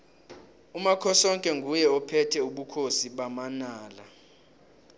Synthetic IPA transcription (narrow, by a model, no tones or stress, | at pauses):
umakʰɔsɔŋkʼɛŋɡʱujɛɔpʰɛtʰɛuɓukʰosiɓamanaːla